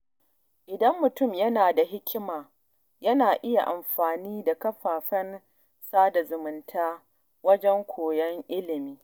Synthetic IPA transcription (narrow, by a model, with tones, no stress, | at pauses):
ʔɪ˨dɐ˦mːʊ˨tʊ˦˨mjɐ˦naː˨da˨ɦɪ˦kʲɪ˦maː˨ | jɐ˦naː˨ʔɪ˦ja̰˨ʔa˨mɸaː˨niː˦da˨kɐ˦ɸaː˨ɸɐ˦n | saː˦da˨zʊ˨mʊ˨ntʰaː˦ | wɐ˦d͡ʒɛ˦ŋkʷʰoː˨jɛ˦ŋʔɪ˦lɪ˨miː˦